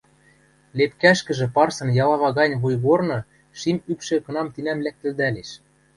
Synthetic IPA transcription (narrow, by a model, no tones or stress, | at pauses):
lepkæʃkɘ̆ʒɘ̆pɑrsɤ̆njɑlɑβɑɣɑnʲβujɣornɤ̆ | ʃimypʃɘ̆kɤ̆nɑmt̪inæmlæk̚t̪ɘ̆ld̪æleʃ